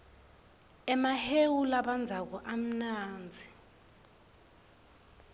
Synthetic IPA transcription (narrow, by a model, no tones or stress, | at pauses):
ɛmahewulaɓand͡zʱak̬ɔʔam̩naːnd͡zʱi